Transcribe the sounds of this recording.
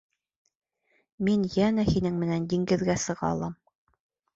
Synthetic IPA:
minjænæhinɘŋmɘ̆nænd̪iŋɡɘ̆ðɡæsɤ̆ʁɑ̰lˠɑm

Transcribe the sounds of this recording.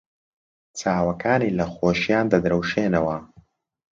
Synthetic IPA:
t͡saːwɐkaːniːlɐxoːʃjaːnd̪ɐd̪ɾɐwʃeːnɐwɐ

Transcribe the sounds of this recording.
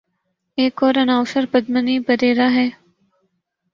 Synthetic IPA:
eːkoːɾənaːʊsəɾbəd̪məniːbəɾeːɾaːɦɛː

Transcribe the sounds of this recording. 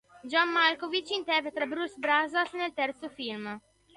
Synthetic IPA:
d͡ʒɔmːalkovit͡ʃint̪ɛvet̪ɾabɾusbɾazasnelt̪ɛrt̪sofilm

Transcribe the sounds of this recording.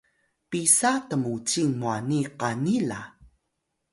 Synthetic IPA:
pisatəmut͡ɕiŋmuaniqanila

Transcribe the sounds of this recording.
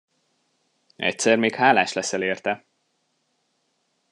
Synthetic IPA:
ɛ̰c̚sɛrmeːkhaːlaːʃlɛsɛleːrt̪ɛ

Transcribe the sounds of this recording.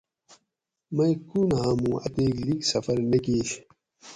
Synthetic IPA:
mɐjkuːnɦãːmũːɐ̰t̪eːɡliksɐfɐɾnekiːɕ

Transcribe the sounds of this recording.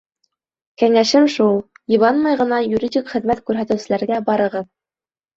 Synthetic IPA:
kæŋæʃɘmʃulˠ | jɤ̆βɑnmɑjʁɤ̆nɑjuɾʲidʲikχɘ̆ðmæt̪kʉɾɦæt̪ɘ̆wsɘ̆læɾɡæbɑɾɤ̆ʁɤð

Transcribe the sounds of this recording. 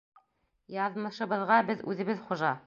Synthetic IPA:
jɑðmɤ̆ʃɤ̆βɤ̆ðʁɑbɘðʉ̰ðɘ̆βɘðχoʒɑ

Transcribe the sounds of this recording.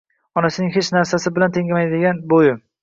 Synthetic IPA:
ɒnasɪnɪŋhet͡ʃnaɾsasɪbɪlant̪ʰeŋʲamajd̪ɪɡʲanbojɪ

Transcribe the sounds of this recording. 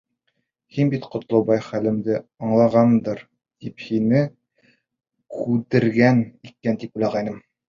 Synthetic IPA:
hinbit̪qŏt̪̆lˠɤ̆bɑjχælɘ̆md̪ɘɒɴlˠɑʁɑnd̪ɤɾ | t̪iphinɘ | kʉd̪ɘ̆ɾɡænikːænt̪ipulˠɑʁæjnɤm

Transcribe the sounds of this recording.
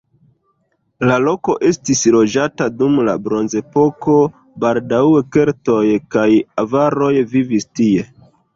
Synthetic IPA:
lalo̞ko̞ʔe̞stislo̞d͡ʒatadumla̰bɾo̞nze̞po̞ko̞ | baldaweke̞ɾto̞jkajavaɾo̞jvivistie̞

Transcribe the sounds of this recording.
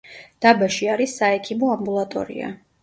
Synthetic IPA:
d̪̥abaʃiaɾisːaɛkʰimɔambulˠat̪ʼɔ̰ɾḭa̰

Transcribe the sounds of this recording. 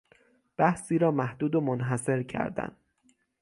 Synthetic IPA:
b̥æhsiːɾɒːmæhd̪uːd̪omonɦæse̞ɾcʰæ̰ɾd̪æ̰n

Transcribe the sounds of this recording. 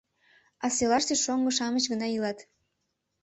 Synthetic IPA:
ɑselɑʃt̪eʃoŋɡŏʃɑmət͡ɕɣənɑilɑt̪

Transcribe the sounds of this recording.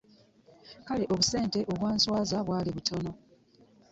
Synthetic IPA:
kale̞ʔo̞βuse̞ːnte̞ʔo̞βwaːnswaːzaβwaːliβutʰo̞no̞

